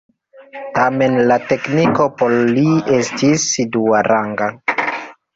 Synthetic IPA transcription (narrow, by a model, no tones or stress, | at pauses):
tame̞nlate̞kniko̞poɾliestisduaɾʔaŋɡa